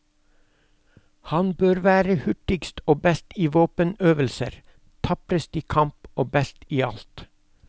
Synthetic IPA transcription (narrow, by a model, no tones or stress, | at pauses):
hɑnbøːɾʋæːɾəhʏʈɪɡst̪ʰoːbɛst̪iːʋoːpənøːʋəlsə̰ɾ | t̪ʰɑpɾəst̪iːkʰɑmpoːbɛst̪iːɑlt̪